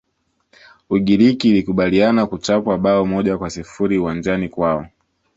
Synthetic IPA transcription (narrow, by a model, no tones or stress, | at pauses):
uɠiɾikiːlikuɓalianakut͡ʃapwaɓaɔmɔʄakwasifuɾiuwand͡ʒanikwaɔ